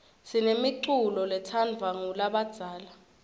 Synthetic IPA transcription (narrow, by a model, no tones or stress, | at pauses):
sinemiǃulɔlɛtʰanvʱaŋulaɓad̥z̥ʱaːla